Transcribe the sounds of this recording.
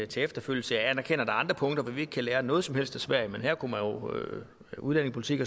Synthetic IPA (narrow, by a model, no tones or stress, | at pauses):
t͡sʰeefd̥ɐføl̰jl̩səjænɐkʰen̰ɐd̥ɑ̈ɑ̈nd̥ʁɐpʰɔ̽ŋd̥ɐʋɒʋie̝ɡ̥əkʰæleːɐnɔ̽ːð̩ˠsɒ̽mhel̰sd̥esʋæɐ̰jəmenɦæɐ̰kʰumænjo̝ø | uð̞ˠlæne̝ŋspʰo̝li̥t͡sʰiɡ̥